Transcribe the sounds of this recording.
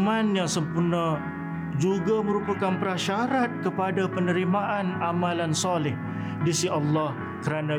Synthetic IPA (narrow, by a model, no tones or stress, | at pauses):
manjãsəmpurna | d͡ʒuɡamə̃ɾupakanpəɾaʃaɾat̪̚kəpadapənəɾimaʔanamalansalɪh | disiʔalːɑh | kəɾana